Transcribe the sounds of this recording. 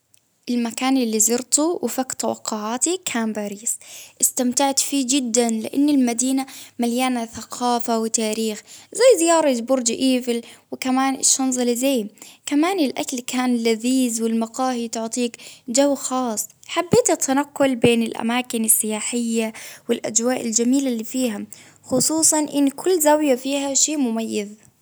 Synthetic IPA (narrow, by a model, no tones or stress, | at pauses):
ʔɪlmakaːnʔɪlːizɑɾt̪uwɪfakt̪ɑwɑ̰qːʊʕaːt̪ikʰaːnbaːɾiːsʔɪst̪amt̪aʕt̪fiːd͡ʒɪd̪ːanlɪ̰ʔanːɪlmad̪iːnamaljaːnaθaqʰɑːfawɪt̪aːɾiːxzajːzɪjɑːɾˤɑd͡ʒ̪bʊɾd͡ʒɪʔiːvɪlwɪkamaːnɪ̰ʃːɑnzˤɑlɪzeːmkamaːnɪlʔa̰kalkʰaːnɪlaziːzwɪlmɑqɑːhit̪ʊʕt̪ˤiːkd͡ʒawːxɑːsˤħabːeːt̪at̪ʰːanaqːʊlbeːnɪlʔa̰maːkɪnɪsːɪjaːħɪjːawɪlʔa̰d͡ʒwaːʔɪld͡ʒamiːlaliːfiːɦa | xʊsˤuːsˤɑnʔɪnːkʰʊlːzawjafiːhaʃeːmʊmajːɪz